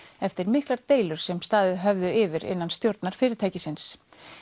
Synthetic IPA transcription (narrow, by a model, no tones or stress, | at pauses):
ɛft̪ɪɾmɪhklaɾ̥t̪eːjlʏɾ̥sɛmst̪aːðɪðɦœvðʏʔɪvɪɾɪ̰nːanst̪jowɾt̪naɾ̥fɪːɾɪɾt̪ʰaːjcɪsɪns